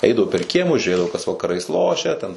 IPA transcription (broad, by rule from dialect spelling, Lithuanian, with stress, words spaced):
ˈɛɪdɐʋʊ pʲɛr ˈkʲiɛmʊs ʒʲuːˈrʲeːdɐʋʊ kɐs ʋɐkɐˈrɐɪs ˈlˠoːʃʲɛ tʲɛn